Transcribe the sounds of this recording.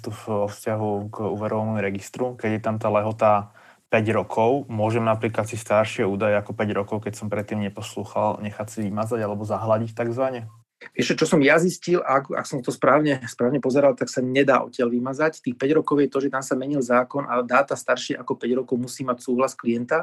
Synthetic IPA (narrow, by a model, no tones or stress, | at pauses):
t̪ufʋɔfscaɦuɡṵːʋɛɾɔʋanɔmuɾɛɡist̪ɾukɛɟjɛt̪amt̪aːlɛɦɔt̪a | pɛɟɾɔkʰɔʊmʊɔʒɛmnapliklat̪sist̪aɾʃɪɛuːd̪ajɛakɔpɛɟɾɔkɔʊkɛcsɔmpɾɛt̪ːiːmɲɛpɔsluːxalɲɛxacsiʋimad͡zaɟalɛbɔzaɦlaɟict̪aɡzʋaɲɛ | ʋɪɛʃʒɛt͡ʃɔsɔmjaziscilaka̰ksɔmt̪ɔspɾaːʊɲɛspɾaːʊɲɛpɔzɛɾalt̪aksaɲɛd̪aːʔɔ̰cɪalʋimad͡zact̪iːxpɛɟɾɔkɔʊjɛt̪ɔʒɛt̪amsamɛɲilzaːkɔnʔad̪aːt̪ast̪aɾʃɪɛʔakɔpɛɟɾɔkɔʊmusiːmacsuːɦlasklijɛnt̪a